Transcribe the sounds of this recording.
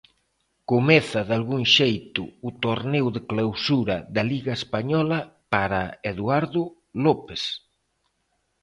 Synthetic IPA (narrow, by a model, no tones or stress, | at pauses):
komeθɐðalɣuŋʃejt̪ʊ̰ːt̪oɾnewðɪklawsuɾɐðɐliɣaespaɲɔlɐpaɾaeðwaɾðʊ | lɔpes